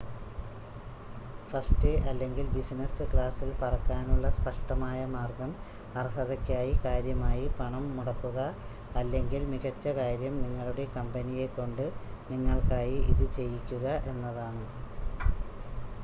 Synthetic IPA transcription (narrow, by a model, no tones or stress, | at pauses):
fɐsʈɨʔɐlːe̞ŋɡilbisinɐsɨkɭaːsilpɐrɐkːaːnuɭːɐspɐʂʈɐmaːjɐmaːrɡɐm | ɐrhɐðɐkʲːaːjikaːɾjɐmaːjipɐɳɐmːuɽɐkːuɣɐ | ɐlːe̞ŋɡilmiɣɐt͡ɕːɐkaːɾjɐmniŋːɐɭuɽe̞kɐmbɐnije̞kːo̞ɳɖɨniŋːɐɭkaːjiḭðɨt͡ɕe̞jːikʲːuɣɐʔe̞nːɐðaːɳɨ